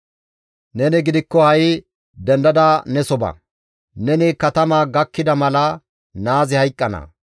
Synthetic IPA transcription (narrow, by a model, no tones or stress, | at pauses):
nɛnɪɡɪd̪ɪkːɔhɐj | d̪ɛnd̪ɐd̪aːnɛsɔbɐ̰ | nɛnɪkɐt̪ɐmaːɡɐkːɪd̪ɐmɐlɐ | naːzɪhɐjkʼːɐnɐ̰